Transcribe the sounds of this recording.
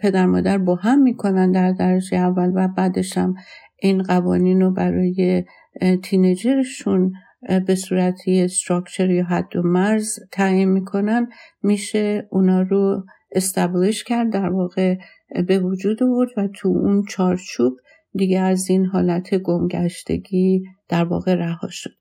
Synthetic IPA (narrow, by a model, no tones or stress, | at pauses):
pʰe̞d̪æɾmɒːd̪æɾbɒːɦæmːiːkʰo̞nænd̪æɾd̪æɾed͡ʒeævːælvæbæːd̪e̞ʃhæmʔinɢævɒ̰ːniːnobæɾɒːje̞ | t̪ʰined͡ʒe̞ɾeʃun | be̞suːɾæt̪ʰiest̪ɾɒkʰt͡ʃʰe̞ɾjɒːɦæd̪̥ːomæɾzt̪ʰæinmiːkʰo̞nænd̪miːʃeunɒːɾo | e̞st̪æbleʃcʰæɾd̪̚ːæɾvɒːɣe̞ | be̞vod͡ʒuːd̪ovo̞ɾd̪væt̪ʰuunt͡ʃʰɒːɾt͡ʃʰuːb̥ | d̪iɡeæzinɦɒːlæt̪ʰe̞ɡo̞mɟæʃt̪e̞̰ɟiːd̪̥æɾvɒ̰ːɣe̞ɾæhɒ̰ːʃo̥d̪̥